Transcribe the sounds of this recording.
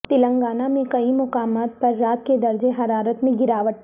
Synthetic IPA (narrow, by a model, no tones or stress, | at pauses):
t̪ɪlə̃ŋɡaːnamẽkɐimʊkaːmaːt̪̚pɐɾːaːt̪̚ked̪ɐɾd͡ʒeɦɐɾaːɾət̪mẽɡɪɾaːʋəʈ